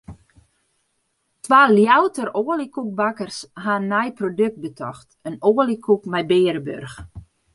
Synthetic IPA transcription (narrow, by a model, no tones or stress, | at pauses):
tʰʋaːljawtəroːəlikuk̚bakərshanːɛjprodøk̚t̚bətʰɔxtənoːlikʰukmɛjbeːɾəbø̰rx